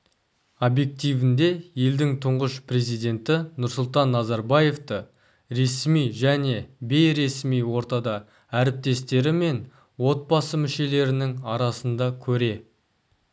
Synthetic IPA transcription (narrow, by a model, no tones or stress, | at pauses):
obje̞k̚t̪ijvɪnd̪e̞je̞ld̪ɪŋt̪ʰʊɴʁəʃpre̞zijd̪ʲe̞nt̪ɪnʊɾsʊlˠt̪ɑnːɑzɑɾbɑje̞ft̪ə | ɾe̞smijʒæne̞be̞jɾe̞smijwo̞ɾt̪ɑd̪ɑ | æɾɪp̚t̪e̞st̪e̞ɾɪme̞n | wo̞t̪̚bɑsəmɪʃe̞le̞ɾɪnɪŋɑɾɑsənd̪ɑkʲʰɵɾe̞